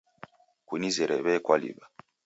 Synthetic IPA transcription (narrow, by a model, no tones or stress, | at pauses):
kunizɛɾɛβɛkwalḭba